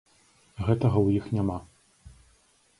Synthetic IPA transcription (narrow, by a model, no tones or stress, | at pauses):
ɣɛt̪ɐɣɐwjixnʲama